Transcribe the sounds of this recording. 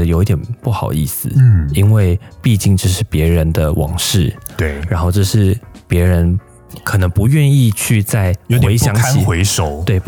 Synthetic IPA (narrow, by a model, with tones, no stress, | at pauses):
ə˧jo˨˧ʊi˥t̪jɛ˨˩npu˥˩xɑ˨˩ʊḭ˥˩sɹ̩˩i˦˥nwe˥˩˧ɪpi˥˧t͡ɕi˥˧ŋt͡ɕjo˥˧ʂɻ̩˥˩pjɛ˧˥ɻə˧˦nd̪ə˧wʔɑ̰˨˩ŋʂɻ̩˥˩t̪e˥˩ɻa˧˦˥nxo˥˧ʊʈ͡ʂɤ˥˧ʂɻ̩˥˩pjɛ˧˥ɻə˧˦˥n | kʰɤ˨˩nɤ˧˥ŋpu˧˥ɥɛ˥˧ni˥˧t͡ɕʰy˥˧t͡sa˥˩ɪjo˧˦xe˧˥ɪɕjɑ˧˥ŋʰ˥i˨˦xwe˧˥ɪʂo˨˩˦ʊt̪we˥˩ɪ